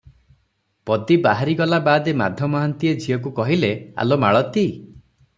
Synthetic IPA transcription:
pɔt̪ibaɦaɾiɡɔlabad̪emad̪ʱjɔmɔɦant̪ied͡ʒʱiɔkukɔɦilea̰lomaɭɔt̪i

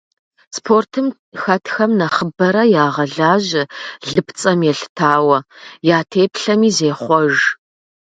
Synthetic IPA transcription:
spʰoːrtʰɨm | xɐtʰxɐmnɐχəbɐɾɐjaːʁɐɮaːʑɪɮɨpʰt͡sʼɐmjɛɬtʰaːwɐjaːtʰeːpʰɬɐmiːzeːχʷɔʒ

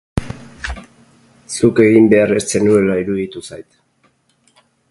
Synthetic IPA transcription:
suke̞ɣimbe̞are̞st͡se̞nue̞laiɾuðit̪usajt̪

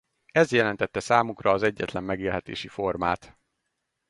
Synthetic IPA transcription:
ɛzjɛlɛnt̪ɛt̪ːɛsaːmukrɒːzɛɟːɛt̪lɛmːɛɡeːlɦɛt̪ḛːʃifo̞rmaːt̪

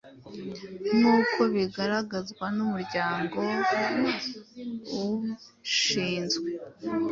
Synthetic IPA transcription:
nuːko̞βiɡaɾaɡazɡwanumuɾɟaːŋɡo̞ | u | ʃiːnzɡwe

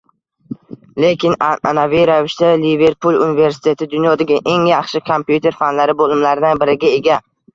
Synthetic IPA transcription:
le̞kʲɪnaa̰navɪjɾavɪʃt̪alive̞ɾpʰulˠunɪve̞ɾsɪ̥t̪ʰe̞t̪ʰɪd̪ʊnjɒd̪aɡʲaʔe̞ŋjɑχʃɪkʰompjut̪ʰe̞ɾfanlaɾɪbolˠɪmlaɾɪd̪anbɪɾɪɡʲae̞ɡʲa

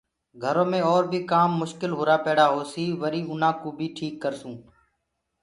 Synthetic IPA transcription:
ɡʱəɾõːmẽːɔːɾbʱiːkaːmːʊʃkɪlɦoːɾaːpeːɽaːɦoːsiːʋəɾiːʊnãːkoːbʱiːʈʰiːkːəɾsũː

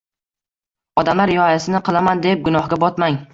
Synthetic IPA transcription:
ɒd̪amlaɾjɒjasɪnɪqʰɨlˠamand̪e̞p̚ɡʊnɒhɡʲabɒt̪maŋ

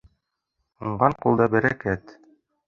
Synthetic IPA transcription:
uɴɢɑɴqulˠd̪ɑbæɾækæt̪

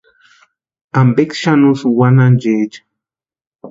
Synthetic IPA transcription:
ambekʃanusuwanand͡ʒed͡ʒḁ

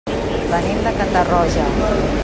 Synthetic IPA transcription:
bənemd̪əkant̪arɔʒə

